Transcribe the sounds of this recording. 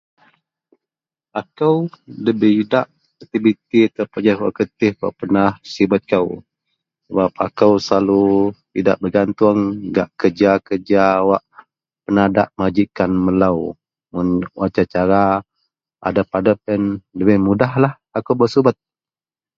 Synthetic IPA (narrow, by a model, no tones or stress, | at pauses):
akəwləbɪhidaʔ | t̪ibit̪it̪əpad͡ʒahwaʔkət̪ɪhwa̰ʔpənahsibat̪̚kaw | səbap̚akəwsəlalut̪idaʔbəɡant̪ʊŋɡaʔkəd͡ʒakəd͡ʒaːwaʔ | pənada̰ʔməad͡ʒikanməlaw | mʊnwʔat͡ʃat͡ʃaɾa | a̰dapadəpənləbɪhmudaɦlah | akəwbəsubat̪̚